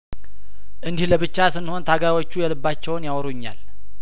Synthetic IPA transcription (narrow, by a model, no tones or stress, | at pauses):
ʔɨnd̪ihləβɨt͡ʃːasɨnːho̞nt̪ʰaɡajwot͡ʃːujɛlɨbːat͡ʃːɛwnjawɾuɲːa̰l